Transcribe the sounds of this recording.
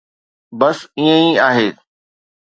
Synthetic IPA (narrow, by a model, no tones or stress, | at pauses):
bɐsiə̃ĩaːɦeː